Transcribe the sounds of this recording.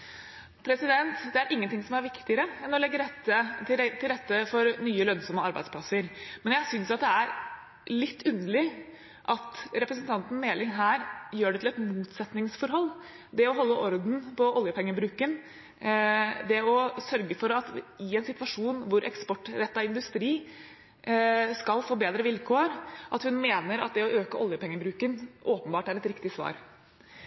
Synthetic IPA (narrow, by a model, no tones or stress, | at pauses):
pʰɾɛsɪd̪ɛnt̪d̪ɛæɾʔɪŋːənt̪ʰɪŋsɔmæɾʋɪkt̪ɪəɾəɛnːɔlɛɡːəɾɛt̪ːəɪt̪ʰɪlɾɛt̪ːəfɔɾnyːəlœnsɔmːəɑɾbæɪd̪spʰlɑsəɾmɛnjæɪsʏnsɑt̪̚d̪ɛæɾ | lɪt̪ːʉnːəɭɪ | ʔɑt̪ɾɛpɾəsənt̪ʰɑnt̪n̩meːlɪŋɦæːɾjøːɖɛt̪ʰɪlɛt̪muːt̪sɛt̪nɪŋsfɔɾhɔlː | d̪ɛɔɦɔlːəʔɔɾd̪n̩pɔʔɔljəpʰɛŋːəbɾʉːkən | d̪ɛɔsœɾɡəfɔɾɑt̪ɪɛnsɪt̪ʋɑʂuːnʋʊɾʔɛ̰kspɔʈːɾɛt̪ːɑɪnd̪ʉst̪ɾiː | skɑlfoːbeːd̪ɾəʋɪlkʰoːɾʔɑt̪hʉnmeːnəɾɑ̰t̪̚d̪ɛɔʔøːkəɔljəpʰɛŋːəbɾʉːkənʔoːpənbɑːʈæɾɛt̪ɾɪkt̪ɪsʋɑ̰ːɾ